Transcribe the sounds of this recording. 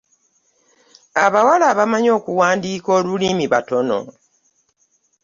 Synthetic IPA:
aβawalaβamaɲo̞ːkuwaːndiːko̞ːlulimiβa̰to̞no̞̰

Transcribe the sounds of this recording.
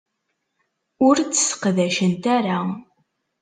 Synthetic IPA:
ʊɾt͡sːə̥sə̥qðæʃənt̪æɾa

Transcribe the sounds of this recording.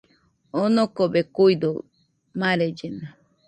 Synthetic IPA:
onokobekujd̪o | maɾed͡ʒena

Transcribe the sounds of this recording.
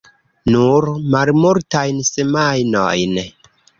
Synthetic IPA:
nuɾmalmuɾtajnsemajno̰jn

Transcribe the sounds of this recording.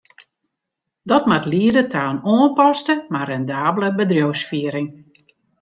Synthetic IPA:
dɔtmatliədətʰaːnoːənpɔstəmarɛndaːbləbədrjowsfiəɾɪŋ

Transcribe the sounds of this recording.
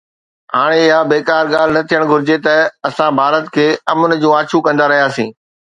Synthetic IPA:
ɦaːɽ̃eɪɦabeːkaːɾɠaːl̤nɐt̪ʰijəɽ̃ɡʱʊɾɪd͡ʑet̪ɐɐsãbʱaːɾət̪kʰeːɐmʊn̆d͡ʑũːaːt͡ɕʰukɐ̃nd̪aɾɐɦijaːsĩː

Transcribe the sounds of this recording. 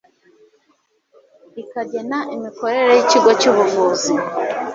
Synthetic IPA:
ikaɟe̞naʔimiko̞ɾe̞ɾejiciɡo̞cuβuvuːzi

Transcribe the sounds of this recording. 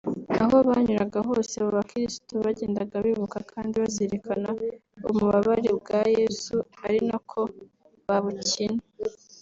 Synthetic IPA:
a̰ɦo̞βaɲuɾaɡaɦo̞ːseβoβakiɾisi̥toβaɟeːndaɡaβiβukakʰaːndiβazeɾekʰanao̰muβaβaɾebɡajesuaɾinakʰo̞ | βaβucine

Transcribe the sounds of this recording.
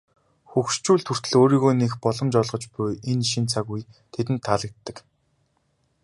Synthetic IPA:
xuxʃt͡ɕuːɮt̪ʰur̥t̪ɘ̆ɮoːɾiːɣoːnexpɔɮɞ̆mt͡ɕɔɮʁɞ̆t͡ɕpʊjenʃint͡sʰaɣuj | t̪ʰet̪ɘ̆nt̪ʰːaɮə̆k̚t̪ːə̆k

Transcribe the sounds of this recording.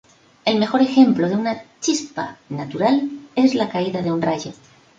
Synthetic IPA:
e̞lme̞xo̞ɾe̞xe̞mploð̞eunat͡ʃispa̰nat̪uɾale̞zlakaiðað̞eunraʝo

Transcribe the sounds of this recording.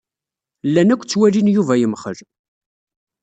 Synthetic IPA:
lːænækʷːt͡sːwælinjuvæjəmχə̰ɾ

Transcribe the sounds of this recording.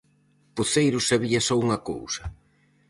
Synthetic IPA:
puθejɾʊsaβ̞iɐsɔuŋɐko̰wsɐ

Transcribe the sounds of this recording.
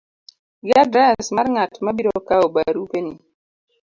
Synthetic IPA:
ɡadɾasmaɾŋatmabiɾɔkaobaɾupeni

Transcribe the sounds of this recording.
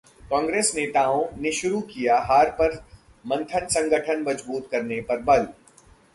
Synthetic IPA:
kɔ̃ːŋɡɾeːsneːt̪aːõneʃʊɾukijaɦaːɾpɐɾ | mɐ̃nt̪ʰənsɐ̃ŋɡəʈʰənmɐd͡ʒbuːt̪kɐɾnepɐɾbɐl

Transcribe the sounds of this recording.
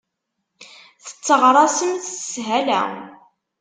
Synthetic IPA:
θə̥t͡sːəʁɾˤɑsəmθsɦælæ̰

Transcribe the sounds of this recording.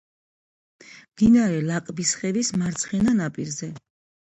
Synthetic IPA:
md̪inaɾɛlakʼbisχɛvismaɾt̪sʰχɛnanapʼiɾzɛ

